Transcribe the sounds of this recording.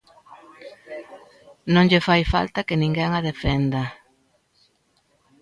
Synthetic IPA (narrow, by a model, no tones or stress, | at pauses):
nõŋʎɪfajfa̰lt̪akɪnĩŋɡɛŋaðefɛnd̪a